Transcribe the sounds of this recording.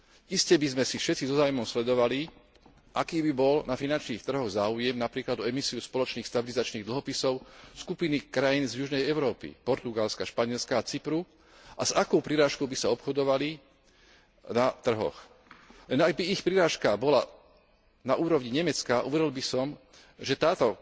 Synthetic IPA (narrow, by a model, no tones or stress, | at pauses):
ʔiscɛbizmɛsifʃɛt͡sizɔzaːʊumɔmslɛd̪ɔʋali | ʔakiːbibɔlnafinant͡ʃniːxt̪r̩ɦɔɣzaːujɛmnapɾiːklad̪ɔɛmisiuspɔlɔt͡ʃniːxst̪abilizat͡ʃniːɣd̪l̩ɦɔpisɔʊskupinikɾajiːnzjuʒnɛjɛʊɾɔːpḭpɔɾt̪uɡalskaʃpaɲɪɛlskaːt͡sipɾu | ʔazakɔʊpɾiɾaːʃkɔʊbisaɔpxɔd̪ɔʋali | nat̪r̩ɦɔ̰x | lɛnaɡ̚biixpɾiɾaːʃkabɔla | naʔuːɾɔʊɲiɲɛmɛt͡skaʔṵʋɛɾilbisɔm | ʒɛt̪aːt̪ɔ